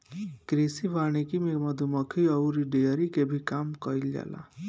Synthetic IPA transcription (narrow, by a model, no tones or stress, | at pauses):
kɾisibʱanikimemʌd̪ʱumʌkʰiʌwɾiɖejʌɾikebʱikamkʌjlja̰la̰